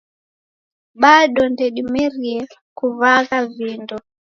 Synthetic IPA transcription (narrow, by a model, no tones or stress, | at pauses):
ɓaɗɔndɛɗimɛɾiɛ | kuvaɣavindɔ